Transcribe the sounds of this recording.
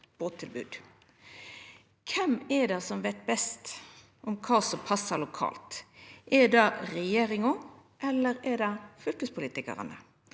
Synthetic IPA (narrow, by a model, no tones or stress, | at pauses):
b̥oːt̪ʰːɪlbʉ̰ːd̪̥ | kʰɛmɛɖɑsɔmʋɛɪt̪̚bɛst̪ | ʔɔmkʰɑːsɔmpʰɑsːəlʊkʰɑ̰ːlt̪ʔɛdɑɾɛjeːɾɪŋʊʔɛlːəɾɛɖɑfœlkəspʰʊliːt̪ɪkə̰ʁə̰nə̰